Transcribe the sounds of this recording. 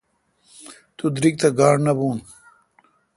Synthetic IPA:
t̪ud̪ɾik̚t̪ɐɡaːɽnɐbuːn

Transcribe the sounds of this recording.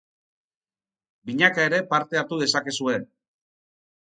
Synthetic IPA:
biɲakae̞ɾe̞paɾt̪e̞aɾt̪uð̞e̞sake̞sue̞n

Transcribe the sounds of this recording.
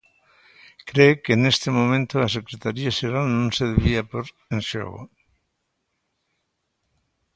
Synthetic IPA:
kɾeokeːnest̪emomẽnt̪olasekɾet̪aɾiaʃeɾalnõnseðeβiapoɾ | enso̰ɣo̰

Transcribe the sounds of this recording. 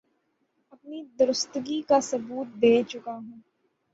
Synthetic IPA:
ɐpnid̪ʊɾʊst̪ɡikasɐbuːt̪̚d̪eːt͡ʃʊkaɦũː

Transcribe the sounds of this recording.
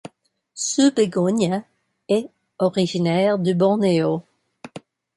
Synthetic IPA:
səbeɡɔɲa | ɛ | ɔʁiʒinɛːʁd̪ybɔ̃neo

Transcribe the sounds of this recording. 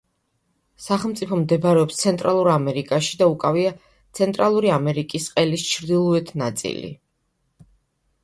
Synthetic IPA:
saχɛlˠmt̪sʼipʰɔmd̪ɛbɾɛɔpst̪sʰɛnt̪ʼɾalˠuɾamɛɾikʼaʃi̥d̪aukʼavia | t̪sʰɛnt̪ʼɾalˠuɾiamɛɾikʼisqʼɛlist͡ʃʰɾd̪ilˠɔɛt̪ʰnat̪sʼḭlḭ

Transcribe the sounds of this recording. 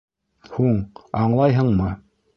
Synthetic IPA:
huɴɑɴlˠɑjɦɤɴmɤ

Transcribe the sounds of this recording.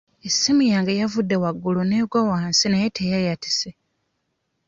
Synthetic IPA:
esːimujaːŋɡajavudːe̞waɡːuluneːɡwawaːnsinajetʰejajati̥se

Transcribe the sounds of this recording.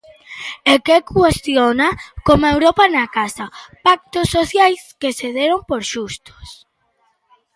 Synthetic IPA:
ekekwest̪jonakomewɾɔpanakasapak̚t̪osːoθjajskeseðeɾompoɾʃust̪o̥s

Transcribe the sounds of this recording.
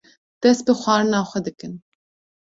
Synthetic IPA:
d̪̥ɛst̪̚bɨxʷɑːɾɨnɑːxʷɛd̪ɨkɨn

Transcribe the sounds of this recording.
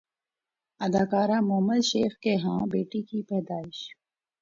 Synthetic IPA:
ɐd̪aːkaːɾaːmʊɦəməd̪ʃeːxkeɦãːbeːʈikipɛːd̪aːɪʃ

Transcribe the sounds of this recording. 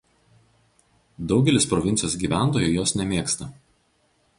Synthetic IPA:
d̪ɒʊɡʲɛlʲɪspɾɔʋʲɪnt̪sʲjoːsɡʲiːʋʲæˑnˑt̪oːjʊjoːsnʲɛmʲeːkst̪ɐ

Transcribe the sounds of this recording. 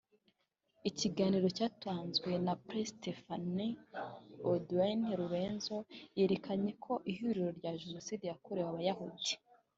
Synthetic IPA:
iciɡaːniɾo̞caːtaːnzɡwenapɾestefani | odwanɾuɾeːnzo̞je̞ːɾe̞kaɲe̞kʰo̞ʔihuɾiɾo̞ɾɟaʒeno̞siːdijakuɾewaβajahudi

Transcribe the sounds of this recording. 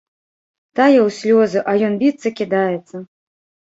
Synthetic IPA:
t̪ajɛwsʲlʲɔzɨʔɐjɔnbʲit̪sːɐkʲid̪ajɛt̪sːɐ

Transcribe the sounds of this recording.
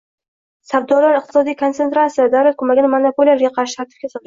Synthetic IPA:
sabd̪ɒlaɾɨq̚t̪ʰɪ̥sɒd̪ijkʰo̞nsent̪ɾat̪sijad̪awlat̪̚kʰʊmaɡʲɪnɪmanapʰoliaɾɡʲaqʰɑɾʃɪ̥t̪ʰaɾt̪ʰɪ̥fɡʲasɒl

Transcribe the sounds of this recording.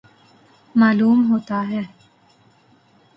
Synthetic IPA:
maːluːmɦoːt̪aɦɛː

